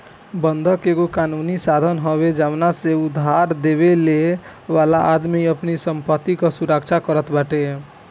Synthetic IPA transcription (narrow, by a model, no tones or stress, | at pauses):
bənd̪ʱəkeɡokanunisad̪ʱənɦɔβed͡ʒaʋnaseud̪ʱːaɾd̪eβelewalaʔad̪miəpnisəmpət̪ːikɔsuɾəkt͡ʃʰakəɾət̪baʈe